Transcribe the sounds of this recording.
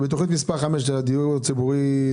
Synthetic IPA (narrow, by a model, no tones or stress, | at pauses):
bet̪oχnit̪mispaʁχameʃdelad̪ijuʁt͡sibuʁi